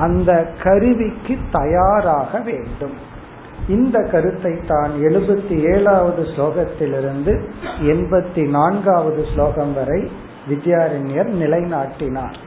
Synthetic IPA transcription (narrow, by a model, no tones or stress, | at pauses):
ɐnd̪ɐkɐɾɯʋɪkːɯt̪ːɐjaːɾaːɣɐʋeːɳɖɯm | ɪnd̪ɐkːɐɾɯt̪ːɐɪt̪ːaːnɛɻɯbɐt̪ːieːɭaːʋɐðɯsloːɣɐt̪ːɪlɪɾɯnd̪ɯɛɳbɐt̪ːinaːnɡaːʋɐðɯsloːɣɐmʋɐɾɐɪ | ʋɪd͡ʒɐjaːɾɐnɪjɐɾnɪlɐɪnaːʈːɪna̰ːɾ